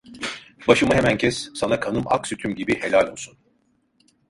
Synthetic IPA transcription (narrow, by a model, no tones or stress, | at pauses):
baʃɯmaɦemæncʰɛsːanakʰanɯma̰ksyt̪ʰymɟibihe̞lʲalʲolˠsun